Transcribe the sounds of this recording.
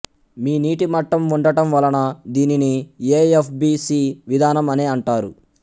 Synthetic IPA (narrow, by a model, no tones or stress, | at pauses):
miːniːʈimɐʈːɐmuɳɖɐʈɐmʋɐlɐnɐd̪iːninieːepʰbiːsiːʋid̪ʱaːnɐmɐneɐɳʈaːɾṵ